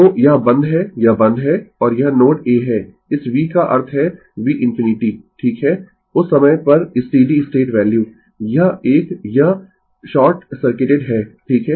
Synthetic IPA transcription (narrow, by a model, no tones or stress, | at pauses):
oːjɐɦbɐ̃nd̪ɦɛjɐbɐ̃nd̪ɦɛːɔːɾjɐɦnoːʈeːɦɛː | ɪsʋiːkaʔɐ̰ɾt̪ʰɦɛ | ʋiːʔɪ̃nfɪnɪʈiːʈʰiːkɦɛː | ʊsːɐməjpɐɾɪsʈiːɖiɪsʈeːʈʋɛːljuː | jɐɦeːkjɐɦ | ʃɔːɾʈsɐɾkeːʈeɖɦɛːʈʰiːkɦɛː